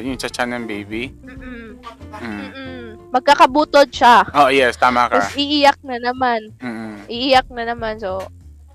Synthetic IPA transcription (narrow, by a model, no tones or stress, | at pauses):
jʊŋt͡ʃɐt͡ʃanɐŋbejbim̩ːʔ̩ | mɐɡ̚kakɐbuːt̪od̪̚ʃaʔoʔjɛst̪aːmakɐsʔiʔijak̚nɐnɐmanm̩ːʔʔiʔijak̚nɐnɐmanso